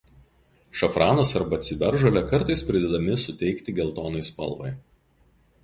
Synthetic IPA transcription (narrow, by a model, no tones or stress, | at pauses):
ʃɐfɾɑːnɐsɐɾbɐt̪ʲsʲɪbʲɛɾʒoːlʲɛkɐɾt̪ɐɪspʲɾʲɪd̪ʲɛd̪ɐmʲɪsʊt̪ʲɛɪkt̪ʲɪɡʲɛlˠt̪oːnɐɪspɐ̰lˠˑʋɐ̰ɪ